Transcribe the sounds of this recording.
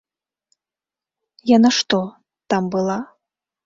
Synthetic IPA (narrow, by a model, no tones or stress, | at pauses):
janaʂt̪ɔ | t̪ambɨlˠa